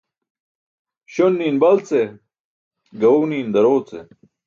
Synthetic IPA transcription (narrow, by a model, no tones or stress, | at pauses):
ɕonːiːnbɐlt͡se | ɡɐwniːnd̪ɐɾoːt͡sḛ